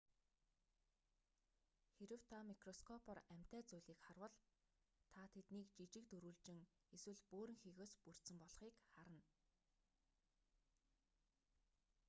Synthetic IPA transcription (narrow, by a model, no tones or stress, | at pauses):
xeɾɘ̆w̥t̪ʰamikrɔskʰɔpʰɔræm̥ʲt̪æːt͡sujɮiːkχarwə̆ɮ | t̪ʰat̪ʰet̪niːkt͡ɕit͡ɕɪ̆k̚t̪ɵɾuːɮt͡ɕɪ̆ŋeswɘ̆ɮpoːɾɘ̆ŋxiːɣoːspur̥t̪sɘ̆mpɔɮχiːkχaɾə̆n